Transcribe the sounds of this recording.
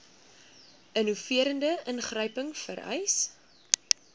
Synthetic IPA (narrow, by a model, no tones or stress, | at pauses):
ʔənufiəɾəndəʔənχrəjpəŋfə̰ɾœ̰js